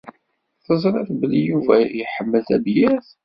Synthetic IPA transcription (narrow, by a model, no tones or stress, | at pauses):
θəzˤɾˤɑθbəlːijuvæjəħəmːəlθæbjæθ